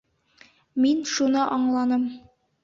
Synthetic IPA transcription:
minʃunɤʔɒɴlˠɑnɤm

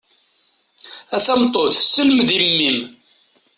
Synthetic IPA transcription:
æθæmt̪ˤoθsəlməðimːim

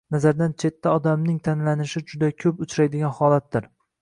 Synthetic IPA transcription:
nazaɾd̪ant͡ʃʰe̞t̪ʰːaɒd̪amnɪŋt̪ʰanlanɪʃɪd͡ʒʊd̪akʲʰɵpʊt͡ʃʰɾajd̪ɪɡʲanhɒlat̪̚d̪ɪɾ

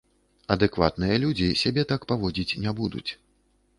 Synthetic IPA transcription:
ɐd̪ɨkva̰t̪nɨjɐlʲud͡zʲisʲabʲɛt̪akpavɔd͡zʲit͡sʲnʲɛbud̪ṵt͡sʲ

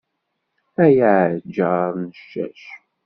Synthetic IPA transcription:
æjaʕd͡ʒːəɾˤnəʃːæ̰ʃ

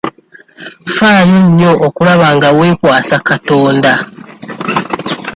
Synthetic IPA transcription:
faːjo̞ɲːo̞ʔːkulaβaŋɡawe̞ːkwaːsakato̞ːnda

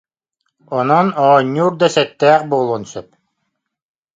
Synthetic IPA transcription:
ɔnɔnɔːɲːuːɾd̪asɛt̪ːɛːχbuːlˠuːnsœp̚

